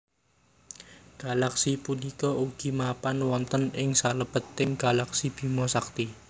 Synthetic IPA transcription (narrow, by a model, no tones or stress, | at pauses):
ɡ̥a̤laksipunikɔuɡ̥i̤mapanwɔnt̪ənɪŋsaləb̥ə̤t̪ːɪŋɡ̥a̤laksib̥i̤mɔsak̚t̪i